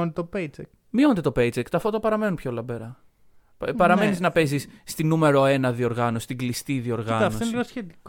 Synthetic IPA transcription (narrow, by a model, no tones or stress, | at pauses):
nd̪t̪opejt͡sek | mio̞nd̪e̞t̪opejt͡sekt̪oɐfot̪opɐɾɐme̞numpçolɐbeɾɐ | pɐɾɐme̞niznɐpe̞zisːt̪inume̞ɾo̞e̞nɐðio̞ɾɣɐnosi̥st̪iɡlist̪iðio̞ɾɣɐɐfntosoinsçet̪ik